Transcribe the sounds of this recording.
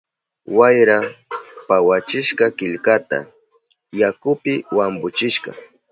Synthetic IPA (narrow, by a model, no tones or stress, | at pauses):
wajɾapawat͡ʃɪʃkakɪʎkat̪a̰ | jakʊpɪwambʊt͡ʃɪʃka̰